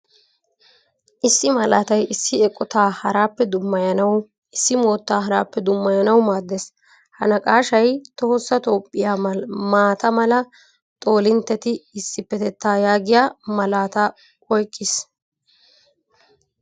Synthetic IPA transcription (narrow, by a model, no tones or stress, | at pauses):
ʔɪsːɪmɐlaːt̪ɐjʔɪsːɪɛkʼːɔt̪aːhɐɾaːpːɛd̪ʊmːɐjɐnɐw | ɪsːɪmo̞ːt̪ːaːɦɐɾaːpːɛd̪ʊmːɐjɐnɐwmaːd̪ːes | hɐnɐkʼaːʃɐjt̪ohːsːɐt̪o̞ːpʼːɪjaːmaːt̪ɐmɐlɐ | t̪ʼo̞ːlɪnt̪ːɛt̪ɪɪsːɪpːɛt̪ɛt̪ːaːjaːɡɪjaːmɐlaːt̪ɐ | ɔjkʼːɪs